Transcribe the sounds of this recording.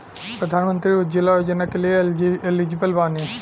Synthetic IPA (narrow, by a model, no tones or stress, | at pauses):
pɾəd̪ʱaːnmə̃nt̪ɾiʊd͡ʒɪlaːjod͡ʒənakelieelid͡ʒibəlbaːne